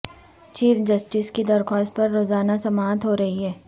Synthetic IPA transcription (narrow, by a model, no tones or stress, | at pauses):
t͡ʃiːɾd͡ʒɐsʈɪskid̪ɐɾxɔːst̪̚pɐɾːoːzaːnasɐmaːt̪ɦoːɾɐɦiɦɛː